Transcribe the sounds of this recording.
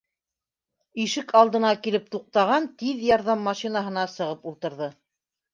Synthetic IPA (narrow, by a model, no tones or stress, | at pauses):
iʃɘkʰɑlˠd̪ɤ̆nɑkilɘp̚t̪uq̚t̪ɑʁɑnt̪iðjɑɾðɑmːɑʃinaɦɤ̆nɑsɤ̆ʁɤpulˠt̪ɤ̆ɾðɤ